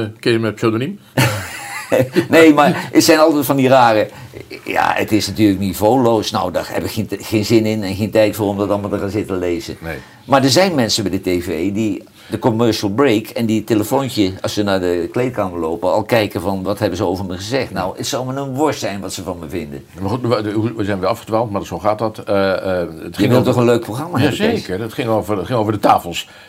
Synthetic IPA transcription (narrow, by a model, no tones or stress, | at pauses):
kɪjəmɛpsødonim | nejmaːɹətsɛjnɑlˠtɛtfɑndiraːrəja̰ə̰tɪsnatyːɹləknivowlowsnɔwda̰ɹɦɛ̰pɪkχeχeːnzɪnɪnɛnχeːntɛjtfoːɹɔmdɑtɑlˠmalˠtəχaːnzɪtənlejzə̰ | maːɹdəɹzɛjnmɛnsəbɛdətevejdi | dəkomœɹʃəlˠbrejkʰɛnditeləfowntəɑsənaːɹdəklejt̚kaːməloːwpənɑlˠkɛjkəvɑnʋɑtɦɛbəzəowvəɹməχəzɛχtnɔwətsɑwˠmənənʋɔɹsɛjnʋɑtsəvɑnməvɪndə̰nmaχutuʋəzɛjnʋɛɑfχədʋalˠtmadsoχaːtdɑt | ətjəɪŋʋɪlˠtɔχə̃nløɥk̚proχrɑmaːɦɛəekəɹətχɪŋovəɹətχɪŋowvəɹdətaːfəl̩ˠs